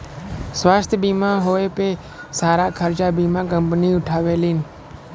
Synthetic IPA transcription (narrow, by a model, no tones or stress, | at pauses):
sʋaːst̪ʰbiːmãːɦoːeːpeː | saːɾaːkʰəɾt͡ʃaːbiːmãːk̬əmpniːʊʈʰaːʋeːliːn